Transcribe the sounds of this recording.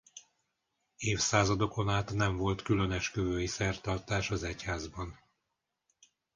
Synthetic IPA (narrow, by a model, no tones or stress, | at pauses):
eːfsaːzɒd̪o̞ko̞naːt̪nɛɱvo̞lt̪kylønɛʃkøvøːjisɛrt̪ɒrt̪aːʃɒzɛchaːzbɒn